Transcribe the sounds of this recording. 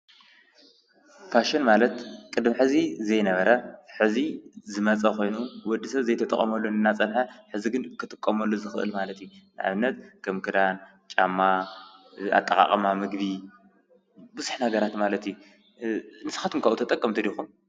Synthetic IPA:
faʃɪnmalɐt̪kʼɨd̪mħɨzizɐjnɐβɐɾɐħɨzizɨmɐt͡sʼɐko̞jnuwɔd̪ːisɐβzɐjt̪ʰɐt̪ʼɐ̰χʼɐ̰mɐlːonɨnːat͡sʼɐnħɐħɨziɡɨnkʰɨt̪ʼɨkʼːɐmɐlːozɨxɨʔɨ̰lmalɐt̪junɨʔa̰βɨnːɐt̪̚kʰɐmkʰɨd̪an | t͡ʃʼamːa | a̰t̪ʼːɐkʼa̰χʼɐmamɨɡbi | bɨzuħnhaɡɐɾat̪malɐt̪ju | nɨsɨ̥xat̪ʰɨmkʰɐʔut̪ʰɐt̪ʼɐkʼːɐmt̪ʰɨdixum

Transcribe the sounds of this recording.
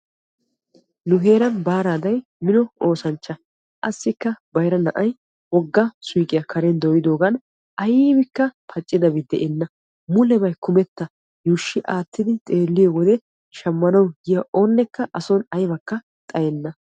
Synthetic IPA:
nʊɦe̞ːɾɐnbaːɾaːd̪ɐj | mɪnɔoːsɐnt͡ʃːɐ | ʔɐsːɪkːɐbɐjɾɐnɐ̰ʔɐj | wɔɡːɐsʊjkʼɪjɐkʰɐɾɛnd̪ojɪd̪o̞ːɡɐn | ʔɐjibɪkːɐpʰɐt͡ʃʼːɪd̪ɐbɪd̪ɛʔɛnːɐ | mʊlɛbɐjkʊmɛt̪ːɐ | juːʃːɪʔaːt̪ːɪd̪ɪt̪ʼe̞ːlːɪjɔwɔd̪ɛ | ʃɐmːɐnɐwɡɪjɐʔoːnːɛkːɐʔɐsɔnɐjbɐkːɐ | t̪ʼɐjɛnːɐ

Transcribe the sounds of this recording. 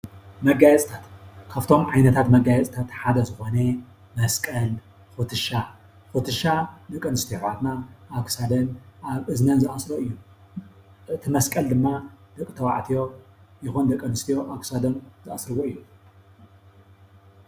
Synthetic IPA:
mɐɡːajɛt͡sʼt̪ʰat̪kʰaβt̪ʰo̞mʕajnɐt̪ʰat̪mɐɡajɛt͡sʼt̪ʰat̪ħad̪ɐzɨxo̞ne | mɐskʼɐl | xut̪ʰɨʃa | xot̪ʰɨʃad̪ɐkʼːɐnɨst̪ʰijoʕat̪naʔːkʰsad̪ɐnʔaβʔɨznɐnzɨasɾoɨjːu | ɨt̪ʰɨmɐskʼɐld̪ɨmːad̪̥ɐkʼːɨt̪ʰɐwaʕt̪ʰijo̞ | jɪxund̪ɐkʼːɐnɨst̪ʰijo̞ʔakʰsad̪ɐnzɨʔasɾɨwoɨjːu

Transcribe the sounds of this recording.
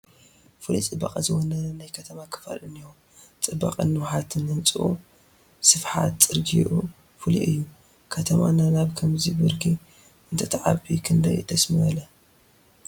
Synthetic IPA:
fɨlḭt͡sʼɨbːɐ̰qʼɐzɨwonɐnajkʰɐt̪ʰɐmakʰɐ̥fa̰lɨnijo | t͡sʼɨbːa̰qʼɨ̰nːɨwħat̪ʰɨnɨnt͡sʼɨʔṵ | sɨfħa̰t̪t͡sʼɨɾɡiʔu | fɨlḭʔɨjːu | kʰɐt̪ʰɐma̰nanaβkʰɐmzibɨɾɡʰi | ɨnt̪ʰɐt̪ʰʕa̰bikʰɨnd̪ɐjd̪ʰɐsmiʔɐlɐ

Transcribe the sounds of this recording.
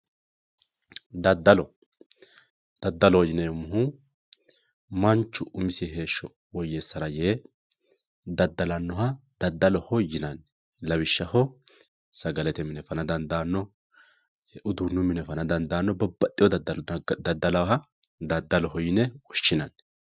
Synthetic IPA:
d̪ɐd̪ɐlɔ | d̪̥ɐd̪ːɐlɔwɔjɪnɛmʊhʊ | mɐnt͡ʃːʊʔʊmɪsiɦe̞ːʃːɔ | wɔjeːsːɐɾɐje | d̪ɐd̪ːɐlɐnːɔɦɐd̪̥ɐd̪ːɐlɔhɔjːɪnɐn | lɐbɪʃːɐhɔ | sɐɡɐlɛt̪ɛmɪnɛfɐnɐd̪ɐnd̪ɐnːɔ | ʔʊd̪unːʊmɪnɛfɐnɐd̪ɐnd̪aːnːɔbɐbːɐt̪ʼːɪjɔd̪ɐd̪ɐd̪ɐd̪ːɐlɐwɦɐ | d̪ɐd̪ːɐlɔɦɔjɪnɛwɔʃːɪnɐn

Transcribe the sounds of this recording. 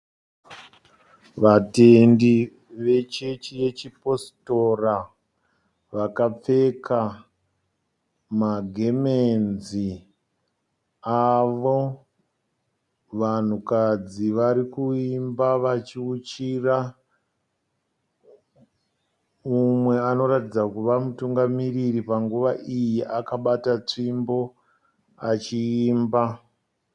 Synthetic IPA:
ʋate̞ndi | ʋe̞t͡ʃet͡ʃije̞t͡ʃipo̞sto̞ra | ʋakap͡fe̞kʰa | maɡʱe̞menzi | aʋo | ʋan̤ukad͡ziʋaɾikuimbaʋat͡ʃiut͡ʃira | umwe̞ano̞ɾatid͡zakuʋamutuŋɡamiriripaŋɡuʋaʔijiʔakaɓatat͡ʂimbo̞ | at͡ʃiiːmba

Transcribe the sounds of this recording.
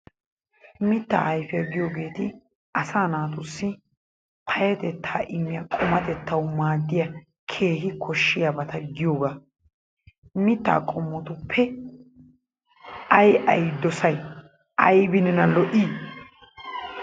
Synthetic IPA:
mɪt̪ːa̰ːʔɐjfɪjɐɡɪjoɡe̞ːt̪ɪ | ʔɐsaːnaːt̪ʊsːɪ | pʰɐjɐt̪ɛt̪ʰːaːʔɪmːɪjɐkʼɔmɐt̪ɛt̪ʰːɐwmaːd̪ːɪjɐ | kʰe̞ːɦɪkʰɔʃːɪjabɐt̪ɐɡɪjoːɡa | mɪt̪ːa̰ːkʼɔmːɔt̪ʊpʰːɛ | ʔɐjʔɐjd̪ɔsɐj | ʔɐjbɪnɛnɐlɔʔi

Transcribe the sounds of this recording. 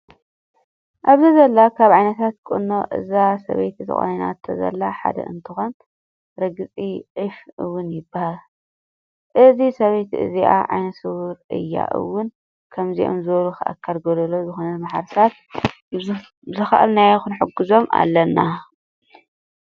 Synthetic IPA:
ʔaβzɐzɐlːakʰaβʕajnɐt̪ʰat̪̚kʼɨ̰nːoʔɨ̰zasɐ̰βejt̪ʰit̪ʰɨ̰xʼo̰nina̰ɨt̪ʰːɐzɐ̰lːaħa̰d̪ɐ̰ʔɨnt̪ʰɨxon | ɾɐɡɨt͡sʼiʔɨfɨwːʊnjɪbahal | ʔɨzisɐβejt̪iʔɨ̰ziʔa̰ʕa̰jnɐsɨwuɾʔɨ̰jːa̰ʔɨ̰wːʊn | kʰɐmziʔo̰mzɨβluxɨʔa̰kʰːɐlɡolɐlozɨxonɐnmaħaɾɨsat̪̚ | zɨxɐ̰ʔɨ̰lnajxɨnħɨɡɨzo̞mʔa̰lːɐnːa

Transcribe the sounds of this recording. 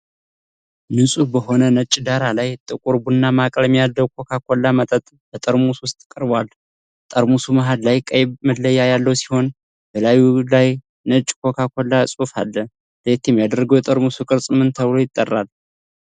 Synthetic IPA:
mɨnsʼubəɦo̞nənət͡ʃʼːd̪aɾalajt̪ʼɨkʼuɾbunːamakʼləmijad̪əwkʰokʰakʰolːamət̪ʼət̪ʼ | bət̪ʼəɾmuswʊst̪ʼkʼɨɾbwal | t̪ʼəɾmusumaɦad̪lajkʼəjbməllːəjːajalːəwsi̥ho̞n | bəlajulaj | nət͡ʃʼkʰokʰakʰolːasʼufa̰lːə | let̪ɛmjad̪əɾɡəwjɛt̪ʼəɾmusukʼɨɾsʼɨmɨnt̪ʰəβlo̞jɪt̪ʼːərːal

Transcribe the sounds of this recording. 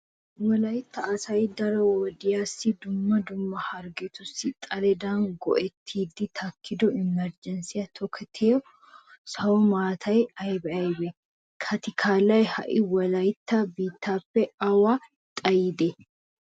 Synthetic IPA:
wɐlɐjɪt̪ːɐːsɐjd̪ɐɾɔwɔd̪ɪjaːsːɪd̪ʊmːɐd̪ʊmːɐhɐɾɡɛt̪ʊsːɪt̪ʼɐlɛd̪aːŋɡɔ̰ʔɛt̪ʰːiːd̪ːɪt̪ʰɐkʰːɪd̪ɔɪmːɛɾd͡ʒɛnsɪjɐt̪ʰɔkʰːɛt̪ʰeːɔ | sɐwɔmaːt̪ʰɐjɐjbɛɐjbɛ | kʰɐt̪ɪkʰaːlɐjhɐ̰ʔɪwɐlɐjt̪ːɐbiːt̪ːaːfːɛɐwa | t̪ʼɐjɪd̪ɛ

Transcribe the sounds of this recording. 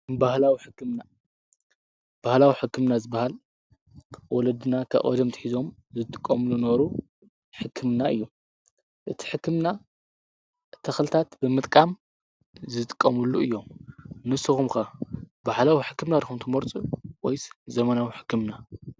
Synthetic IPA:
bahlawiħɨkːɨmna | b̥ahlawiħɨkːɨmnazɨbahalʰ | wɔlɐd̪ɨnakʰɐ̰ʔʼo̰d̪ɐmt̪ʰɨ̥ħizo̞mzɨt̪ʼɨ̥kʼːɐmɨlunɐβɾu | ħɨkʰːɨmnaɨ̰jːu | ʔɨt̪ʰi̥ħɨkːɨmna | t̪ʰɐxlɨt̪ʰat̪bɨmɨt̪ʼkʼam | zɨt̪ʼɨ̥kʼːɐmɨluɨjːomnɨsɨxumkɐbahlawiħɨkːɨmnad̪ixumt̪ʰɨmoɾt͡sʼuwɔjszɐmɐnawiħɨ̥kːɨmna

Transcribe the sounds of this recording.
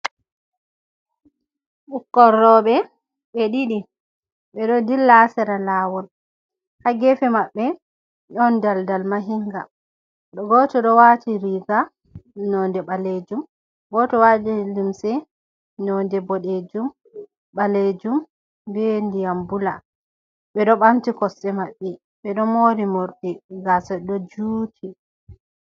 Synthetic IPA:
ɓukːɔɾːɔɓɛ | ɓeɗiɗi | ɓɛɗɔdilːasɛɾalaːwɔl | haɡɛfɛmaɓːɛ | ɗɔndaldalmaɦiŋɡa | ɗɔɡɔtɔɗɔwatiɾiɡa | nɔndɛɓaled͡ʒum | ɡɔtɔwad͡ʒɛlimsɛ | nɔndɛbɔɗed͡ʒum | ɓaled͡ʒum | bɛndijambula | ɓɛɗɔɓantikɔsːɛmaɓːɛ | ɓɛɗɔmoɾimoɾɗiɡasɛɗɔd͡ʒuːtʰi

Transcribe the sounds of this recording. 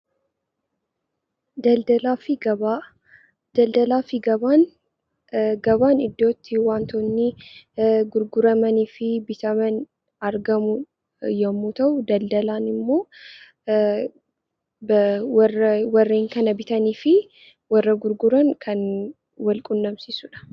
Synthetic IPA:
d̪ɐld̪ɐlaːfɪɡɐba | d̪̥ɐld̪ɐlaːfɪɡɐbaːn | ɡɐbaːnɪd̪ːo̞ːt̪ːɪwaːnt̪oːnːi | ɡʊɾɡʊɾɐmɐniːfɪbɪt̪ɐmɐn | ɐɾɡɐmʊ | jɐmːut̪ɐʔʊd̪ɐld̪ɐlaːnɪmːo̞ː | bwɐrɐwɐrːeːŋkɐnɐbɪt̪ɐniːfɪ | wɐrːɐɡʊɾɡʊɾɐnkʰɐn | wɐlkʼʊnːɐmsiːsʊᶑɐ̥

